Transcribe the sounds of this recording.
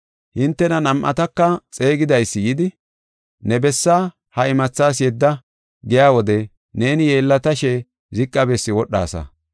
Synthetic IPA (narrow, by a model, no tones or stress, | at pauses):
hɪnt̪ːɛnɐnɐmʔɐ̰t̪ɐkːɐt͡sʼe̞ːɡɪd̪ɐjsːɪjɪd̪ɪ | nɛbɛsːaː | hɐɪmɐt͡sːaːsjɛd̪ːɐ | ɡɛjaːwɔd̪ɛ | ne̞ːnɪje̞ːlːɐt̪ɐʃɛ | zɪkʼːɐbɛsːɪwɔɗːa̰ːsɐ̰